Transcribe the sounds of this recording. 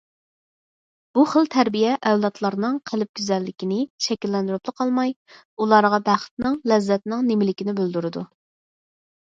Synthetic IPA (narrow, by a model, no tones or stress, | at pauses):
b̥uχəlˠt̪ʰæɾbijɛʔɛwlˠɑt̪ʰlˠɑɾnɨŋqʰəlɪp̚ɡʲyzɛlːɪkʲinɪʃɛkʲilːɛnd̪uɾuplˠəqʰɑlˠmɑj | ulˠɑɾʁɑbæχə̥t̪nɪŋlɛzːɛt̪nɪŋnemɪlɪkʲinɪbøld̪uɾɨd̪u